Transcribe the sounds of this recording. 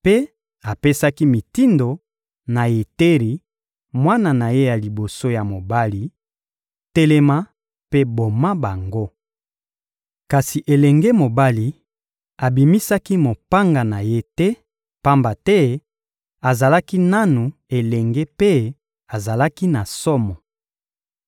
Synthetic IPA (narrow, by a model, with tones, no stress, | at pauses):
pe˦ | a˨pe˦sa˦ki˦mi˨ti˦ndo˨ | na˨je˨te˦ʁi˨ | mwa˦na˨na˨je˦ja˨li˨bo˨so˦ja˨mo˨ba˦li˨ | te˦lɛ˦ma˦ | pe˦bo˨ma˦ba˨ŋɡo˦ | ka˨si˨ʔe˨lɛ˨ŋɡɛ˦mo˨ba˦li˨ | a˨bi˨mi˦sa˦ki˦mo˨pa˦ŋɡa˨na˨je˦tɛ˦ | pa˦mba˨tɛ˦ | a˨za˨la˦ki˦na˦nu˨e˨lɛ˨ŋɡe˦pe˦ | a˨za˨la˦ki˦na˨sɔ˦mɔ˨